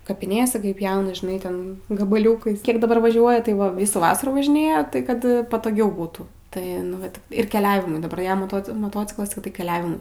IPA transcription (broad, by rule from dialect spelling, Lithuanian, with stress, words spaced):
kɐpʲɪˈnʲeːsʲɛ ˈkɐɪ ˈpʲjɛʊnɐ ʒʲɪˈnɐɪ ˈtʲɛn ɡɐbɐˈlʲuːkɐɪs ˈkʲiɛk dɐˈbɐr ʋɐˈʒʲuɔjɛ tɐɪ ˈʋɐ ˈʋʲiːsuː ˈʋɑːsɐruː ʋɐʒʲɪˈnʲeːjɛ ˈtɐɪ kɐt pɐtoːˈɡʲɛʊ ˈbuːtuː tɐɪ nʊ ˈʋɐt ɪr kʲɛˈlʲæːʋʲɪmʊɪ dɐˈbɐr ˈjɛm moːˈtoː moːˈtoːt͡sʲɪklˠɐs tɐɪ ˈtʲɪk kʲɛˈlʲæːʋʲɪmʊɪ